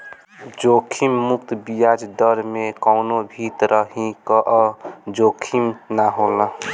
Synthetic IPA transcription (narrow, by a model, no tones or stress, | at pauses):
d͡ʒokʰimːuk̚t̪bijad͡ʒd̪əɾmekɔʊnobʱit̪ɾəɦĩkəʔəd͡ʒokʰimnaɦolə